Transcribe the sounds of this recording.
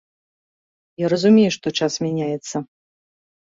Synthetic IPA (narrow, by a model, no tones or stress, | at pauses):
jaɾɐzumʲejuʂt̪ɔt͡ʂasmʲanʲajɛt̪sːɐ